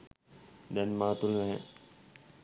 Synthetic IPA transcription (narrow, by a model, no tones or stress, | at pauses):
d̪ɛnmat̪unnaɦɛ̰